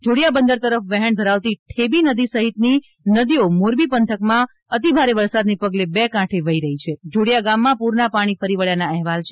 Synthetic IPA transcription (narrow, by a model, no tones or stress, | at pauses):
d͡ʒoɽjabənd̪əɾt̪əɾəfʋɛɦəɳd̪ʱəɾaʋt̪iʈʰebinəd̪isəɦit̪ni | nəd̪iomoɾbipənt̪ʰəkmã | ət̪ibʱaɾeʋəɾsad̪nepəɡlebɛkãʈʰeʋəiɾəɦit͡ʃʰed͡ʒoɽijaɡamːãpuɾnapaɽ̃ifəɾiʋəɭjanaɛɦʋalt͡ʃʰe